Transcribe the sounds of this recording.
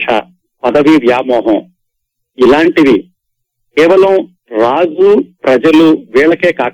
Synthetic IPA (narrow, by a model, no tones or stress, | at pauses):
ɐ̰ | pɐd̪ɐʋiʋjaːmɔːɦɐ̃m | ilaːɳʈid̪i | kɛːʋɐlɐm | ɾaːd͡ʒupɾɐd͡ʒɐluʋɛːɭɐkeːkaː